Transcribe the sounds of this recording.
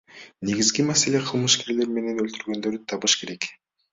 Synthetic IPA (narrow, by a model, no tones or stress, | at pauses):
ne̞ɡizɡimase̞le̞qʰɯlˠmɯʃke̞ɾle̞ɾme̞ne̞nølt̪yɾɡø̞nd̪ø̞ɾyt̪ʰɑβɯʃkʰe̞ɾe̞k